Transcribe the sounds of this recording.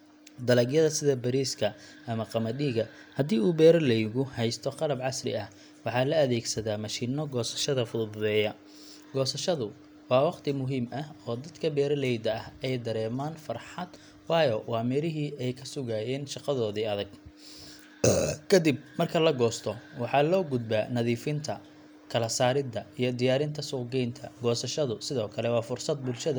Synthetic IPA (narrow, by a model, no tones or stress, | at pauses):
d̪ɐlɐɡjɐðɐsɪðɐbɐɾiːskʰɐʔɐmɐqɑmɐdiːɣɐhɐd̪iːuːbɛːɾɐlɛjɣʊhɛjst̪ʰɔqɑlɐbʕɑsrɪ̰ɐh | wɑħɑːlɐɐðɛːɡsɐðaːmɑʃiːnɔɡɔːsɐ̥ʃɐðɐfʊðbʊðɛːjɐ | ɡ̥ɔːsɐʃɐðʊ | wɑːwɑqt̪ʰɪmʊɦiːmɐhɔːd̪ɐd̪kʰɐbɛːɾɐlɛjd̪ɐɐhɛjd̪ɐɾɛːmaːnfɐrħɑd̪ | wɑːjɔwɑːmɛɾɪɦiːʔɛjkʰɐsʊɣaːjɛːnʃɑqɑðɔːðiːɐðɐɡ | kʰɐd̪ɪb̚mɐrkʰɐlɐɡɔːst̪ʰɔwɑħɑlɔːɡʊd̪̚baːnɐðiːfɪnt̪ʰɐ | kʰɐlɐsaːɾɪd̪ɐijɞd̪ɪjaːɾɪnt̪ʰɐsʊɡɛjnt̪ʰɐɡɔːsɐʃɐðʊsɪðɔːkʰɐlɛwɑːfʊrsɐd̪̚bʊlʃɐðɐ